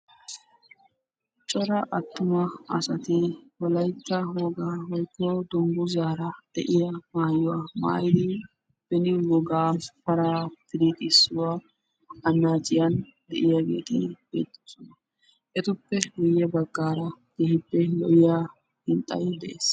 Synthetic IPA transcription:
t͡ʃʼɔɾɐʔɐt̪ːʊmɐɐsɐt̪ɪwɔlɐjkːɐwɔɡaːɦɔjkːɔːd̪ɔŋɡʊzaːɾɐd̪̥ɛʔɪjɐmaːjʊwama̰ːjɪd̪ɪ | b̥ɛnɪwɔɡaːpɐɾat̪ɪɾɪt̪ɪsːʊwa | ɐnːaːt͡ʃʼɪjɐn | d̪ɛʔɪjaɡḛːt̪ɪbḛːt̪ʼːɔ̥sɔnɐ | ʔɛt̪ʊpːɛɡʊjːɛbɐɡːaːɾɐɡ̪̥ɛhɪpːɛlɔ̰ʔɪja | hɪnt̪ʼːɐ̰jɛd̪ɛʔeːs

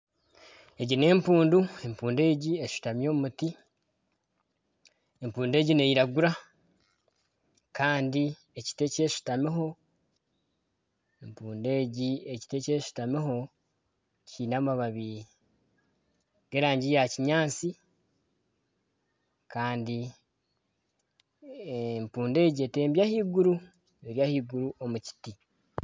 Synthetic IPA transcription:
e̞ɟine̞ːmpuːndue̞mpuːnde̞ːɟieʃu̥tamjo̞ːumuti | empuːnde̞ːɟineiɾaɡuɾa | kʰaːndi | e̞ci̥te̞ce̞ːʃu̥tamiɦo̞ | empuːnde̞ːɟie̞ci̥te̞ce̞ːʃu̥tamiho̞ | ciːnamaβaβi | ɡ̥eɾaːɲɟijaciɲaːt͡si | kaːndi | empuːnde̞ːɟie̞te̞ːmbjahiɡuɾu | eɾjahiːɡuɾuʔo̞muci̥ti

